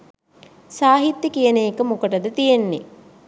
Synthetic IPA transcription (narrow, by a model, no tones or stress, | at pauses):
saːɦit̪jəkijənəjekəmukəʈəd̪ət̪ijenːe